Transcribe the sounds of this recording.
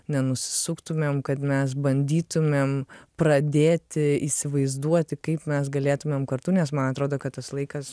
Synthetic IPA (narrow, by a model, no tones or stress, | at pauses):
nʲɛnʊsʲɪ̥sʊkt̪ʊmʲeːmkɐt̪mʲɛs̬bɐnʲd̪ʲiːt̪ʊmʲeːmpɾɐd̪ʲeːt̪ʲɪiːsʲɪʋɐɪzd̪uɔt̪ʲɪkɐɪpmʲɛsɡɐlʲeːt̪ʊmʲeːmkɐrt̪uːnʲɛs̬mɐnɐt̪ɾoːd̪oːkɐt̪t̪ɐslˠɐɪkɐs